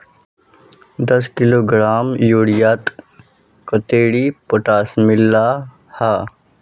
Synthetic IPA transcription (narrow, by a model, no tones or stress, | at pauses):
d̪ɐskɪloːɡɾaːmjoːɽijaːt̪ | kət̪eːɽipoʈaːsmɪlːa | haː